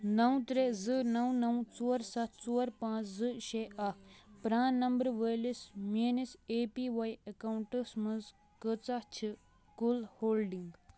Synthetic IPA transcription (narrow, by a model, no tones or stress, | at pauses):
nɐwt̪ɾezɨnɐwnɐwt͡soːɾsɐt̪ʰt͡soːɾpãːt͡szɨʃeːʔɐkpɾaːnɐmbəɾʋəlismeːniseːpiʋajɐkaːuɳʈəsmɐnz | kət͡sɐt͡ʃʰi | kulhoːlɖiŋɡ